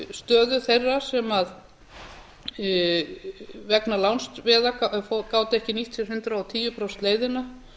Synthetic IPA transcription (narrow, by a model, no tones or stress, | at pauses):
st̪œːðʏθejrːasɛmað | vɛknalawnst̪vɛːðakfkaːwt̪ɛhcɪniht̪ʰi̥hʏnt̪ɾaɔwt̪ʰiːjʏpɾɔwst̪leːjðɪna